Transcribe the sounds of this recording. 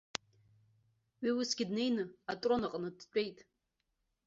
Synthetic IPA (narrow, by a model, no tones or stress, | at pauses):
ɥiwusɡ̥ʲɪdne̞jnɨatʼronaqʼnɨdt͡ʃʷʼe̞jtʼ